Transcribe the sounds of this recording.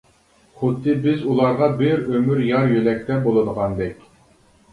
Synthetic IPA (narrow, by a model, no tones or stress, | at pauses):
χʊd̪ːɨbɪzulˠɑɾʁɑbɪɾømyɾjɑɾjølɛk̚ʲt̪ʰɛbolˠɨd̪əʁɑnd̪ɛkʲ